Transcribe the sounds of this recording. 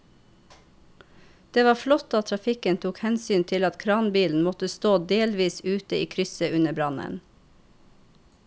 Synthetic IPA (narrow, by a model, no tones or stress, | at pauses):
d̪̥eːʋɑːflɔt̪ɑːt̪ʰɾɑfɪkənt̪ʰuːkhɛnsyːnt̪ʰɪlɑt̪kʰɾɑːnbiːln̩mɔt̪əst̪oːd̪eːlʋiːsʉːt̪əiːkʰɾʏsəʔʉnəbɾɑnə̰n